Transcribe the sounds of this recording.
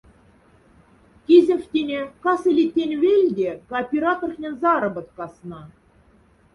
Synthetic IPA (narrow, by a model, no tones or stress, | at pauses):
kʲizʲɘ̆fʲt̪ʲenʲekɑsɘ̆lʲit̪ʲːenʲvʲelʲd̪ʲekɑːpʲeɾɑt̪orxnʲĕnzɑɾɤ̆bɤ̆t̪̚kɑsnɑ